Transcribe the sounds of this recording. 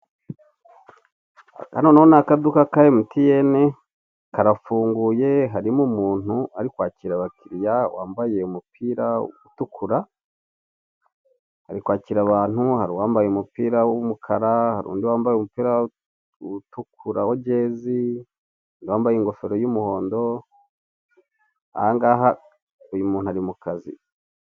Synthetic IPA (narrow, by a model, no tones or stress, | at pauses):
a̰noːnahonakadukakajemutijene | kaɾafuːŋɡuje̞ɦaɾimumuːnuaɾikwaːciɾaβakʰiɾjawaːmbaje̞umupʰiːɾautukʰuɾa | ha̰ɾikwaːciɾaβaːnhuhaɾiwaːmbajeumupiːɾawumukʰaɾahaɾṵːndiwaːmbajemupiːɾa | utukʰuɾawoɟeːzi | ndiwaːmbajiŋɡo̞fe̞ɾo̞jumuho̞ːndo̞ | a̰haŋɡaːɦa | ujumuːnuhaɾimukazḭ